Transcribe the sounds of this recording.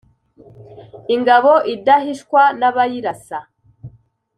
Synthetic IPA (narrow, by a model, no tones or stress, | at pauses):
iŋɡaβoʔidaɦiʃkwanaβajiɾasa